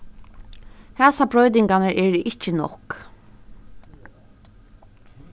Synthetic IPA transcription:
hɛːsabɾɔjt̪̬ɪŋkanəɾʔɛɹʔɪt͡ʃɪnɔ̰k

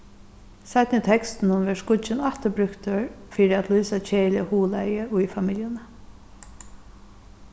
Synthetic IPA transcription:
sat̪nɪt̪ʰɛkst̪ɪnʊnʋɛskʊt͡ʃɪnaht̪əbɾʏkt̪əɹfiːɾɪæt̪lujsat͡ʃʰeːlɪɪhuːlajəʊjfamɪljənə

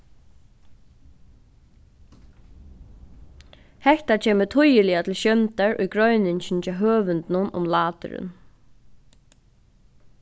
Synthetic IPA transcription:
hɛht̪at͡ʃʰeːmət̪ʰʊjɪlɪat̪ʰɪlʃjœnt̪aɹʊ̰jɡɾœɥnɪɲɕɪnt͡ʃɛɦøːʋʏnt̪nʊnʊ̰mlaːt̪ʏ̰ɾɪ̰n

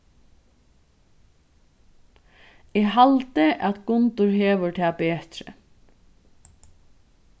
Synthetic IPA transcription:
ɪɦalt̪ɪʔat̪ɡʊnt̪ʊɹɦeːʋʊɹt̪ʰɛːpeːt̪ɾɪ̰

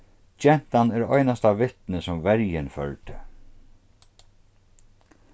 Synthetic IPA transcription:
t͡ʃɛn̥t̪anɛɾɔjnast̪avɪht̪nɪsʊmvɛɾjɪnfœ̰ɻt̪ɪ

